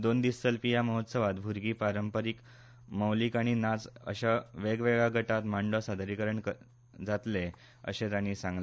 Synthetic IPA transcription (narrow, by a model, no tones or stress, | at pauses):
d̪ond̪issəlpijaməɦot̪səʋat̪bʱuɾɡiːpɾaɾəmpəɾik | məwlikaɽ̃inad͡zə̰ɕaʋeɡʋeɡaɡʱəʈat̪maɳɖɔsad̪ʱɾikəɾəɳkə | d͡zat̪le | ə̰ɕẽd̪añiːsãŋɡle